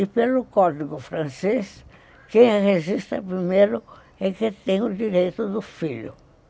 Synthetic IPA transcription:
ɪpelʊkɔd̪iɡʊfɾɐ̃ses | kẽj̃hezist̪ɐ̰pɾimeɾʊ | ɛkɪt̪ẽj̃ʊd̪iɾejt̪ʊd̪ʊfiʎʊ̰

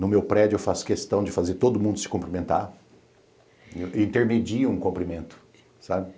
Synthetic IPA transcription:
nʊmewpɾɛd͡ʒʊewfaskest̪ɐ̃w̃d͡ʒɪfazeɾt̪od̪ʊmũnd̪ʊsɪ̥kõpɾimẽnt̪a̰ | ĩnt̪eɾmed͡ʒiɐũkõmpɾimẽnt̪ʊ̥ | sabɪ

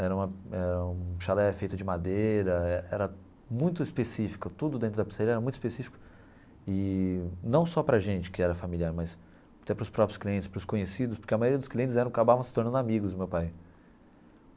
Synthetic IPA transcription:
ɛɾɐũmɐɛɾɐũʃalɛfejt̪ʊd͡ʒɪmad̪ejɾɐɛɛɾɐ | mũj̃t̪ʊispesifi̥kʊt̪ud̪ʊd̪ẽt̪ɾʊd̪ɐpi̥saɾiɐɛɾɐmũj̃t̪ispesifi̥kʊ̥ | ɪnɐ̃w̃sɔpɾɐʒẽnt͡ʃɪ̥kɪɛɾɐfamiliaɾmɐz | at̪ɛpɾʊspɾɔpɾjʊ̥skliẽnt͡ʃɪspɾʊskõɲesid̪ʊspʊɾkeɐmajoɾiɐd̪ʊskliẽnt͡ʃɪzɛɾɐ̃kakabavɐ̃sɪ̥t̪oɾnɐ̃d̪amiɡʊzd̪mewpaj

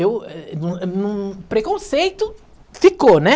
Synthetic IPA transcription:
ewɛũnũpɾekõsejt̪ʊ | fikonɛ

